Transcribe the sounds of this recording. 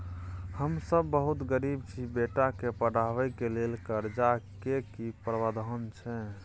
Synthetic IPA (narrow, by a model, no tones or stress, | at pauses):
həmsəbːəɦut̪ɡəɾibt͡ʃʰibeʈakepəɽaʋɛkelelkəɾd͡ʒakekipɾəʋad̪ʱəɦənt͡ʃʰɛ